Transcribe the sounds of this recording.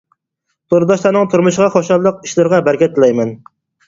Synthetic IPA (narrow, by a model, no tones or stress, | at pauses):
t̪ʰoɾɨd̪ɑʃlˠɑɾnɨŋt̪ʰuɾmuʃʁɑχoʃɑlːˠəq̚iʃlɪɾʁɑbæɾkʲɛt̪ʰːlɛjmɛn